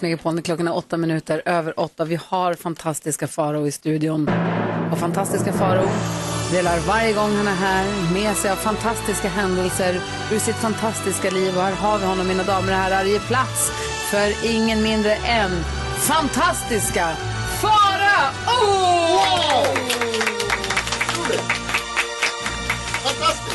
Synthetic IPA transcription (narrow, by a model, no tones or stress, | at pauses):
smɛkəpʰoːlənklɔkːanaɔt̪ːamɪnʉ̟ːt̪əɾøːvəɾʔɔt̪ːavɪhaɾfant̪ʰast̪ɪskafɑːɾauːɾɪst̪ʉ̟ːd̪ɪʊnɔfant̪ʰast̪ɪskafɑːɾuːd̪eːlaɾvaɾjəɡɔŋːhanːəɦæːɾmɛːsɛjavfant̪ʰast̪ɪskaɦɛnd̪əlsəɾ | ɵʂɪt̪fant̪ʰast̪ɪskaliːvɔhaːɾɦɑːvhɔnːɔmːiːnad̪ɑːməɾhæːɾaɾjəpʰlat̪s | fœɾɪŋːənmɪnd̪ɾəʔɛn | fant̪ʰast̪ɪska | fɑːɾa